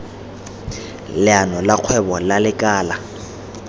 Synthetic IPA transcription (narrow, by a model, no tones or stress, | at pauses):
lɪanɔlaq͡χʰwɛbɔlalɪkʼaːla